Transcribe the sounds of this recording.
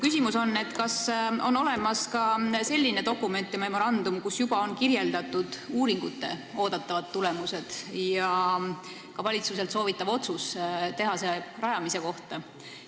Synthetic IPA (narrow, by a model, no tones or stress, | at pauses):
kysʲimuso̞nːe̞t̪ːkɑso̞nːo̞le̞mɑskɑse̞lʲːine̞t̪o̞kːume̞nt̪ːˑjɑme̞mo̞ɾɑnd̪̥umkusjub̥ɑo̞nkirje̞ld̪ɑt̪ːˑud̪̥uːɾiŋɡ̥ut̪ːˑe̞o̞ːd̪̥ɑt̪ˑːɑvɑt̪ːule̞muse̞d̪̥jɑ | kɑvɑlʲit̪suse̞lt̪so̞ːvit̪ːˑɑvo̞t̪sust̪e̞ɦɑserɑjɑmise̞ko̞ht̪ɑ